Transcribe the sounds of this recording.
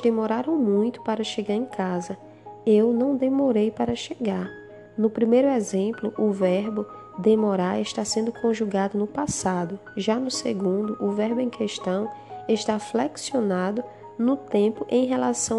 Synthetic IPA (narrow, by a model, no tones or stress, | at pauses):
d̪emoɾaɾɐ̃w̃mũj̃t̪ʊ̥paɾɐʃeɡaɾẽj̃kʰazɐ | ewnɐ̃w̃d̪emoɾejpaɾɐʃeɡaɾ | nʊpɾimejɾʊɛzẽmplʊʔʊvɛɾbʊ | d̪emoɾaeʃt̪asẽnd̪ʊkʰõʒuɡad̪ʊnʊpasad̪ʊʒanʊseɡũnd̪ʊʔʊvɛɾbʊẽj̃kʰeʃt̪ɐ̃w̃eʃt̪aflɛksionad̪ʊ | nʊt̪ẽpʊʔẽj̃ɦelasɐ̃w̃